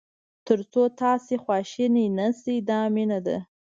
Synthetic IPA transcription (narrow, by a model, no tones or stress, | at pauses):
t̪əɾt͡sot̪ɑsexwɑʃininasid̪ɑmɪnad̪a̰